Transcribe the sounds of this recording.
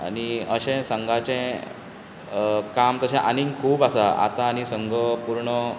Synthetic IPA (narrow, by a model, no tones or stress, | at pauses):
a̰niəɕɛ̃səŋɡʱat͡ɕɛ̃ | kamt̪əɕẽʔaniŋkʰuːpasaa̰t̪aːñisəŋɡʱəpuɾɳə